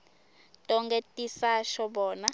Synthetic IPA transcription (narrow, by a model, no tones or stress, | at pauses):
tʼɔŋɡetʼisaʃɔɓɔːna